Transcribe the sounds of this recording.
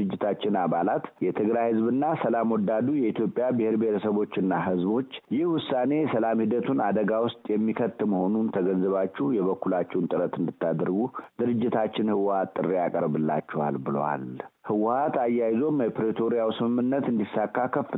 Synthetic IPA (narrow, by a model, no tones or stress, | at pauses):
ɨd͡ʒːɪt̪ʰat͡ʃːɪnabalat̪jɛt̪ʰɨɡɾajhɨzbɨnːasəlamwɔd̪ːad̪ujɛit̪ʰjo̞pʼːjabɨheɾbeheɾəsəβo̞t͡ʃːɨnːaɦɨzbo̞t͡ʃːjɪhwʊsːane̞səlamhid̪ət̪ʰunad̪əɡawʊst̪ʼjɛmːikʰət̪ːɨməho̞nunt̪ʰəɡənzɨβat͡ʃːɛhjɛβəkːulat͡ʃːɛwnt̪ʼɨɾət̪ɨnd̪ɨt̪ʰːad̪əɾɡud̪̥ɨɾɨd͡ʒːɪt̪ʰat͡ʃːɪnhɨwhat̪ʼːɨrːejakʼəɾbɨlːa̰t͡ʃːɛwa̰lbɨlə̰wa̰lhɨwʊhat̪ajːajzo̞məpʰɾet̪ʰoɾijawsɨmɨmːɨnːət̪ɨnd̪isːakːakʰːəfɨ